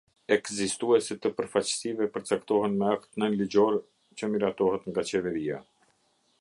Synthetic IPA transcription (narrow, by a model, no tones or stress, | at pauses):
ɛkzist̪uɛsɛt̪ːəpəɾfat͡ɕə̥sivɛpəɾt͡sakt̪ɔɦɛnmɛak̚t̪nənlid͡ʑɔɾ | t͡ɕəmiɾat̪ɔhɛt̪ŋɡat͡ɕɛvɛɾija̰